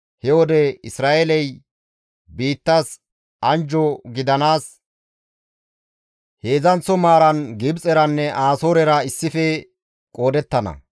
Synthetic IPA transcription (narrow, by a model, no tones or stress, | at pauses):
hɛwɔd̪ɛɪsɾaːʔelɛj | biːt̪ːas | ɐnd͡ʒɔɡɪd̪ɐnaːs | he̞ːzɐnt͡sːɔmaːɾɐnɡɪbt͡sʼɛɾɐnːɛʔaːsoːɾɛɾɐɪsːɪfɛ | kʼo̞ːd̪ɛt̪ːɐnɐ̰